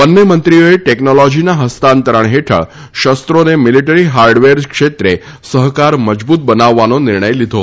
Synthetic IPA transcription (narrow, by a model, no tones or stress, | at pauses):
bənːemənt̪ɾioeʈeknolɔd͡ʒinaɦəst̪ant̪əɾəɳɦeʈʰə̰ɭ | ʃəst̪ɾonemɪliʈəɾiɦaɾɖʋeɾkʃet̪ɾe | səɦkaɾməd͡ʒbut̪̚bənaʋːanonɪɾɳəjlid̪ʱo